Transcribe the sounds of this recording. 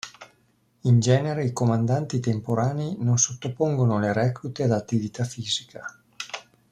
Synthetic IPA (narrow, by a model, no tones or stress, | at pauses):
ind͡ʒɛːneɾeikomand̪ant̪it̪empoɾaːneinonsot̪ːopoŋɡonoleɾɛːklut̪ead̪at̪ːivit̪afiːzikʰa